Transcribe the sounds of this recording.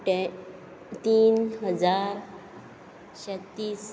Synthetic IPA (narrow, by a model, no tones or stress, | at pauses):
ʈ | t̪iːnɦəd͡zaɾ | ɕɛt̪ːiːs